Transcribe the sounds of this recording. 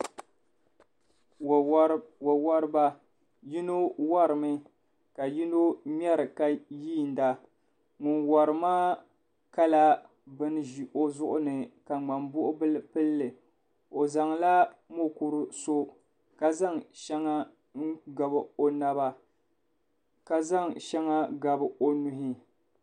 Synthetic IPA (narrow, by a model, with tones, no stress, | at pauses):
wa˨wa˦ɾɨ˦ba˦ | ji˦no˦wa˦ɾɨ˨mɨ˦ | ka˨ji˦no˦mʲ˦ɛ˦ɾɨ˨ka˨jiː˦˨n̩˨˦da˨ | ŋu˨nwa˨ɾɨ˨maː˦ | ka˦la˦ | bɨ˦n˦ʒi˨ʔo˦zʊ˦ʔʊ˦nɨ˨ka˨ŋ͡ma˨mbʊ˦ʔʊ˦bɨ˦lɨ˦pɨ˦lːɨ˨ | o˨za˨ŋla˦mo˦ku˨ɾɨ˦so˦ | ka˨za˦ŋʃɛ˦ŋa˦ | ŋ̩˦ɡa˨bɨ˨o˦na˦ba˦ | ka˨za˦ŋʃɛ˦ŋa˦ɡa˨bɨ˨o˦nu˦ɦi˦